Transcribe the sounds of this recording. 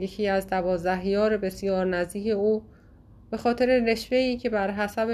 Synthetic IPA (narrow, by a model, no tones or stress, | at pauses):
jekʰiːæzd̪ævɒːzd̪æɦjɒːɾebe̞sjɒːɾnæzd̪iːcʰe̞uː | b̥e̞xɒːt̪ʰeɾe̞ne̞ʃveiːcʰe̞bæɾɦæsæb